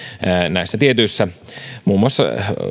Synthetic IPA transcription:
næˑisːæt̪iet̪yisːæmuːmːuɑsːɑ̰

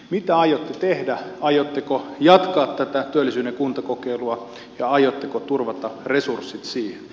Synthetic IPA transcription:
mit̪æɑjot̪ːet̪ehdæɑjot̪ːekojɑt̪kɑːt̪t̪æt̪æt̪yølːˑisyːnekunt̪ɑkokeiluɑ | jɑɑjot̪ːekot̪urʋɑt̪ɑresursːit̪siːhen

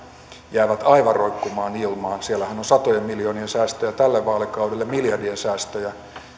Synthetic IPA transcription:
jæːʋæt̪ɑiʋɑroikːumɑːnilmɑːsielːæhænosɑt̪ojemmiljoːniensæːst̪øjæt̪ælːeʋʋɑːlekɑudelːemiljɑrdiensæːst̪øjæ

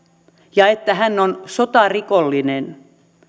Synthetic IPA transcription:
jɑet̪ːæhænːonsot̪ɑrikolːinen

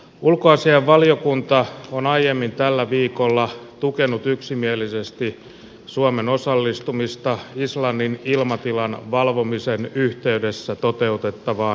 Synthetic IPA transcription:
ulkoɑsiɑʋʋɑljokunt̪ɑonɑijemːint̪ælːæʋiːkolːɑt̪ukenut̪yksimielisest̪i | suɑmenosɑlːist̪umist̪ɑislɑnːinilmɑt̪ilɑnʋɑlʋo̞misenyht̪e̞ydesːæt̪ot̪e̞ut̪et̪ːɑʋɑː

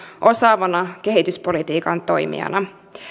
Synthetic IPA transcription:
ʔo̞sɑːʋɑnɑke̞ɦit̪yspo̞lit̪iːkɑnt̪o̞jmḭɑ̰nɑ

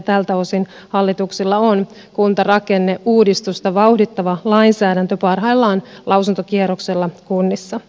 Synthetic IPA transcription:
t̪ælt̪æosin | hɑlːit̪uksilːɑon | kunt̪ɑrɑkenːeʔuːdist̪ust̪ɑʋɑuhdit̪ːɑʋɑlɑinsæːdænt̪øpɑrɦɑilːɑːnlʔɑwsunt̪okieɾokselːɑkunːisːɑ

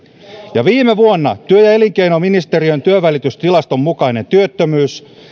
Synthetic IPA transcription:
jɑʋiːme̞ʋuonːɑ̰t̪yøjɑe̞liŋke̞jno̞minist̪e̞ɾiønt̪yøʋælit̪yst̪ilɑst̪o̞mːukɑine̞nt̪yøt̪ːømyːs

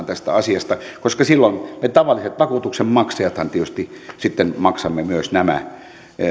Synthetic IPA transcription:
nt̪æst̪æ̰ɑsiɑst̪ɑkoskɑsilːonmet̪ɑʋɑlːiset̪ʋɑkuːt̪uksemmɑksɑjʋɑt̪hɑnt̪ieyst̪isit̪ːenmɑksɑmːemyøsnæmæ̰

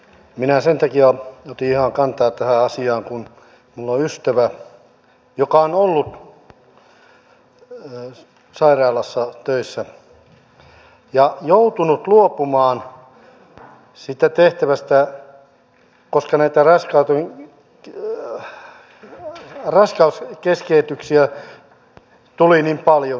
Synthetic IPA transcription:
minæsent̪ɑkiɑot̪iihɑŋkɑnt̪ɑːtt̪æhæɑsiɑːŋkun | mulːoyst̪æʋæ | jokɑonolːut̪ | sɑirɑːlɑsːɑt̪øisːæ | jɑjout̪unut̪luopumɑːn | sit̪æt̪eht̪æʋæst̪æ | koskɑnæit̪ærɑskɑut̪e | rɑskɑuskeskeːt̪yksiæ | t̪ulinimpɑljo

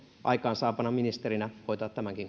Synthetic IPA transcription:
ʔɑ̰ikɑːnsɑːpɑnɑminist̪erinæhoit̪ɑːt̪t̪ːæmæŋkiŋ

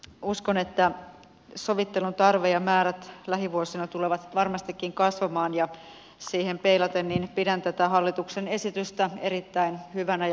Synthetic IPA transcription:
uskonet̪ːæ | so̞ʋit̪ːe̞lunt̪ɑrʋejɑmæːɾæt̪læɦiʋuosinɑt̪uleʋɑt̪ʋɑrmɑst̪ikːiŋkɑsʋɑmɑːnjɑ | siːhempeilɑt̪enːiːnpidænt̪æt̪æɦɑlːit̪uksene̞sit̪yst̪æe̞ɾit̪ːæinhyʋænæj

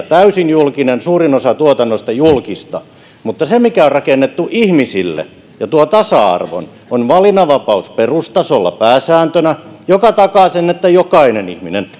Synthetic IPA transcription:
t̪æysinjulkinensuːrinosɑt̪uot̪ɑnːost̪ɑjulkist̪ɑ̰ | mut̪ːɑsemikæorrɑkenːet̪ːuʔihmisilːḛ | jɑt̪uot̪ɑsɑɑ̰rʋo̰n | onʋɑlinɑʋɑpɑusperust̪ɑsolːɑ̰pæːsæːnt̪ønæjokɑt̪ɑkɑˑsenːet̪ːæjokɑinenḭhminen

